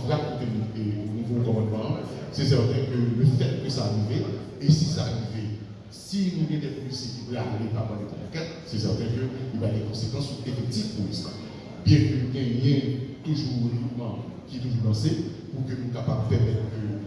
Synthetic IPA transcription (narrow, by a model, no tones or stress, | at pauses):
fʁat̪̚pukenũenũvɔ̃ɔ̃kɔ̃mɑ̃d̪mɑ̃sɛsɛʁt̪ɛ̃køløfɛt̪køsaːʁiveesisaʁive | sinũɡɛ̃d̪ɛpolisjẽkieallepapãlet̪ã̰la̰kɛt̪sɛs̬ɛʁt̪ɛ̃kølipalɡɛ̃kõsekɑ̃suefɛk̚t̪ivpolisa̰ | bjɛ̃kønũɡɛ̃jɛ̃t̪uʒuʁeɡlut̪mɑ̃kʲit̪uʒulãse | pukønũkapab̚pɛʁmɛt̪ʁkø